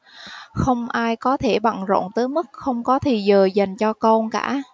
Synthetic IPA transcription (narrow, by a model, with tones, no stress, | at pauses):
xə˧wŋ͡mʔaː˧jkɔ˨˦t̪ʰe˧˩ɓa̰˧˨ŋzo̰˧˨nt̪əː˨˦jmɨ˦˥k̚xə˧wŋ͡mkɔ˨˦t̪ʰi˨˩zəː˨˩za˨˩jŋ̟t͡ɕɔ˧ko˧nka̰ː˧˩